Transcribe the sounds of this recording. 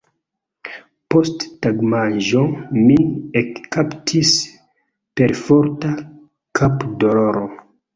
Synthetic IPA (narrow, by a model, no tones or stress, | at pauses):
postːaɡmaʒomiekkaptʰis | pe̞ɾfoɾta | kʰapdoloɾo